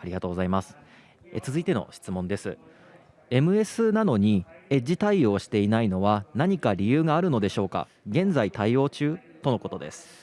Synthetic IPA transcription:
aɾʲiɡat̪o̞ːɡo̞zaimasɨ̥ | et͡sɨzɨit̪e̞no̞̰ɕi̥t͡sɨmõ̞nd̪e̞sɨ | e̞mɯ̟e̞sɨnano̞ɲ̟ie̞d͡ʑit̪aio̞ːɕi̥t̪e̞inaino̞βanaɲ̟ikaɾʲijɯːɡaːɾɯ̟no̞d̪e̞ɕo̞ːka̰ | ɡẽ̞nd͡zait̪aio̞ːt͡ɕɨːt̪o̞no̞ko̞t̪o̞d̪e̞̰sɨ̥

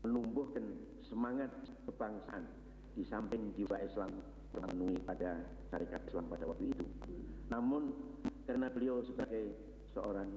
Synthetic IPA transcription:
mənumbʊhkən | səmaŋat̪̚kəb̥aŋsan | d̥isampɪŋdiwaʔislam | kəmənuipada | ʃa̰ɾikat̪ɪslampadawak̚t̪uit̪ṵnamʊnkərənabəliawsəbaɡaj | səʔoɾaŋ

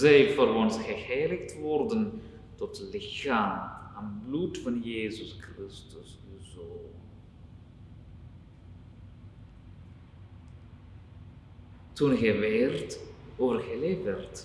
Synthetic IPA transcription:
zɛjvərʋɔnsχəheːləktʋɔrdən | tɔtlɪxaːanblutfɑnjeːzəskrɪstəs | yzoːnn | tunɣɛʋeːrtoːvərɣəleːvərt

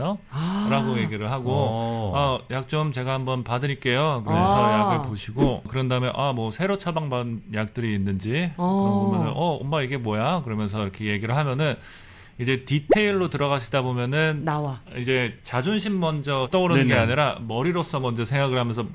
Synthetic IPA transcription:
ʌɾaɡoje̞ɡiɾɯɭɦaɡoajak̚t͡ɕ͈omt͡ɕe̞ɡahambʌnpadɯɲik͈e̞jokɯɾʌmʌnsʰʌjaɡɯɭpoɕʰiɡokɯɾʌndaɯmenʔamwʌsʰe̞ɾot͡ɕʰʌɭbaŋbanjak̚t͈ɯɾiːnːɯnd͡ʑi | mʌnɯnʔʌo̰mːaiɡe̞mwʌjakɯɾʌmjʌns̬ʰʌiɾʌkʰe̞je̞ɡiɾɯɭɦamjʌnɯn | id͡ʑe̞titʰe̞iɭːotɯɾʌɣaɕʰidabomjʌnɯnnawaid͡ʑe̞t͡ɕad͡ʑunɕʰimːʌnd͡ʑʌt͈ʌɯɾʌnɯnɡeaɲiɾamʌɾiɾos͈ʌmʌnd͡ʑʌsʰeŋɡaɡɯɭhamjʌnsʰʌ

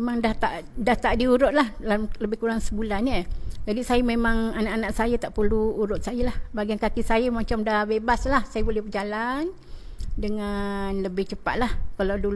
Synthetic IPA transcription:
memaŋdaht̪aʔdaht̪aʔdiuɾʊt̪̚lahlamləbɪhkuɾaŋsəbulaɲəd͡ʒadisajəmemaŋanaʔanaʔsajət̪aʔpəluːɾʊt̪̚sajəlahbaɡiankakisajəmat͡ʃamdahbebaslahsajəbulɛhbəd͡ʒalan | dəŋanləbɪht͡ʃəpa̰t̪̚lahkalawdul

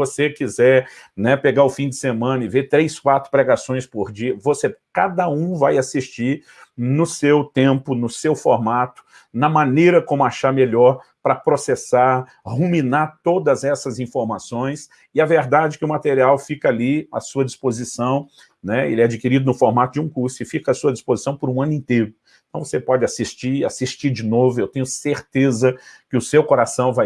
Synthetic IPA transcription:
vosekizɛɾnɛpeɡaʊfĩd͡ʒɪsemɐ̃nɐɪvet̪ɾejskwat̪ɾʊpɾɛɡasõj̃spoɾd͡ʒiɐvosekad̪ɐũvajasiʃt͡ʃiɾ | nʊsewt̪ẽpʊnʊsewfoɾmat̪ʊ̥ | nɐmɐ̃nejɾɐkõmʊaʃaɾmeʎɔɾpɾɐpɾosesaɾ | humĩnaɾt̪od̪ɐzɛsɐzĩfoɾmasõj̃s | ɪaveɾd̪ad͡ʒɪkɪʊmat̪eɾiawfikɐaliɐ̰suɐd͡ʒispozisɐ̃w̃ | nɛḛlɛad͡ʒikiɾid̪ʊnʊfoɾmat̪ʊd͡ʒɪũkuɾsʊɪfikɐasuɐd͡ʒispozisɐ̃w̃pʊɾũɐ̃nʊĩnt̪ejɾʊ | ẽt̪ɐ̃w̃vosepɔd͡ʒɪasiʃt͡ʃiɾasiʃt͡ʃiɾd͡ʒɪnovʊewt̪ẽɲʊseɾt̪ezɐkɪʊsewkoɾasɐ̃w̃vaj

